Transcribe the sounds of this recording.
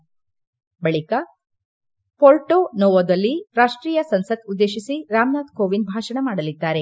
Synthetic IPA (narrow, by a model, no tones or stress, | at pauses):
bɐɭikɐ | poːlʈoːnoːʋɐd̪ɐlːiɾaːʂʈɾiːjɐsɐnsɐt̪ud̪ːeːʃisiɾaːmnaːd̪koːʋinbʱaːʂɐɳɐmaːɽɐlid̪ːaːɾe̞